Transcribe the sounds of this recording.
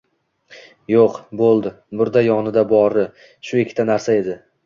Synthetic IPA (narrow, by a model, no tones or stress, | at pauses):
joqbolˠd̪ɪ | bʊɾd̪ajɒnɪd̪abɒɾɪ | ʃʊekʲʰːɪt̪ʰanaɾsae̞d̪ɪ